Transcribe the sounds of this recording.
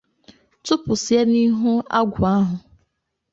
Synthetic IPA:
tʊ˦pʊ˨sje˦ni˦ɦu˦a˦ɡʷʊ˨a˦ɦʊ˨

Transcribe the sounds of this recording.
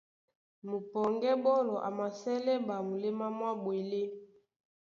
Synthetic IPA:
mu˨pɔ˨ŋɡɛ˦bɔ˦lɔ˨ʔa˨ma˨sɛ˦lɛ˦ba˨mu˨le˦ma˦mwa˦bwe˨le˦

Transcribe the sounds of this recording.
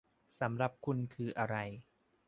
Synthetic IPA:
sa˩˦mɾa˧˩p̚kʰu˧nkʰɯː˧ʔa˧ɾa˧j

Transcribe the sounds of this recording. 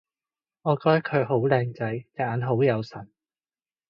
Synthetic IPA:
ŋɔː˨˧kɔː˥t̪ɐ˥kʰɵ˨˧ɦo˨˥wlɛː˧ŋt͡sɐ˨˥jjaː˨˥nɦo˨˥wjɐ˨˧wsɐ˨˩n

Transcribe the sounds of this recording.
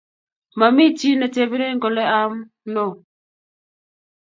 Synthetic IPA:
ma˨mi˦ti˦na˨te˨bi˦ɾe˦ŋ˦ɡɔ˨lɛ˦a˦m˦ | nɔ˦˨

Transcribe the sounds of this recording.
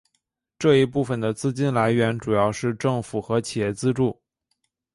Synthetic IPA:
ʈ͡ʂɤ˥˧i˧˥pu˥˩fə˩nd̪ə˩t͡sɹ̩˥t͡ɕi˥nla˧˥ɪɥɛ˧˥nʈ͡ʂu˨˩jɑ˥˧ʊʂɻ̩˥˧ʈ͡ʂɤ˥˩ŋfu˨˩xɤ˧˥t͡ɕʰi˨˩jɛ˥˩t͡sɹ̩˥ʈ͡ʂu˥˩

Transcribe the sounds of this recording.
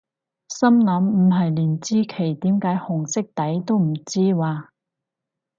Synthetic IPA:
sɐ˥mlɐ˨˥mm̩˨˩ɦɐ˨jliː˨˩nt͡siː˥kʰe˨˩jt̪iː˨˥mkaː˨˥jhʊ˨˩ŋsɪ˥k̚t̪ɐ˨˥jt̪o˥wm̩˨˩t͡siː˥waː˧

